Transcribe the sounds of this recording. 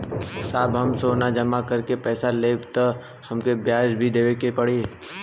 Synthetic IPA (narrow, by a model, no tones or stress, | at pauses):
saːbɦɐmsoːnad͡ʒɐmakəɾkepɛːsaleːbt̪ə | hɐmkebʱjaːʃbʱid̪eːʋekepɐɽe